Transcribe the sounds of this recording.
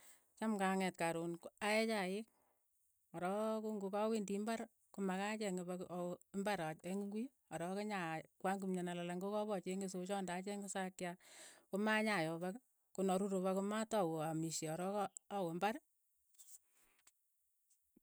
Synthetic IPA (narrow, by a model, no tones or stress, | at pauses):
t͡ʃamkaŋɛtkaɾunkaɛt͡ʃajɪk̚ | ɔɾɔkuŋɡukawindimbaɾ | kumakat͡ʃɛŋɡebakmbaɾaeŋɡwi | ɔɾɔkeɲakwaŋɡumɲanalalaŋɡokɔbɔt͡ʃeŋɡes̬ot͡ʃɔndat͡ʃɛŋɡɪsakjakomaɲajɔbak | kunɔɾuɾoβakumatɔwoamiʃeɔɾɔkɔːwombaɾ